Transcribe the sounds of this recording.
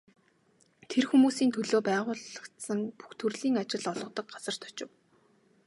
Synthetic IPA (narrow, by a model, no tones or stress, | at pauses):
t̪ʰerxumuːsiːnt̪ʰɵɮoːpæːʁʊːɮə̆kt̪sə̆ŋpu̥xt̪ʰɵrɮiːŋat͡ɕɪ̆ɮɔɮʁɞ̆t̪ə̆k̚ɢat͡sə̆r̥t̪ʰɔ̥t͡ɕɪ̆w